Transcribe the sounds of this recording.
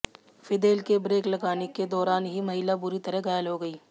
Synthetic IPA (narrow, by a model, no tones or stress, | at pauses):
fɪd̪eːlkebɾeːklɐɡaːneked̪ɔːɾaːnɦimɐɦɪlabʊɾit̪ɐɾəɦɡaːjəlɦoɡɐiː